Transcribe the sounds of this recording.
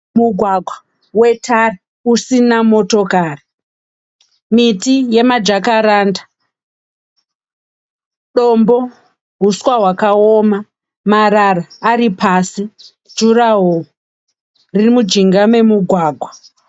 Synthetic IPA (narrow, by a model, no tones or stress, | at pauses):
muɡʱwaɡʱwa | we̞tʰari | usinamo̞to̞kaːri | mitije̞mad͡ʒakaɾaːnda | ɗombo̞ | ɦuswaɦwakaoma | maɾaraːɾipʰasi̥ | d͡ʒuraɦo | ririmud͡ʒiŋɡame̞muɡʱwaːɡʱwa